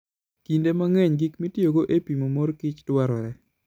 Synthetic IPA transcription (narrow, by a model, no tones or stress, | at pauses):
kindemaŋeɲɡikmitjoɡoʔepimomoɾkɪt͡ʃtwaɾɔɾɛ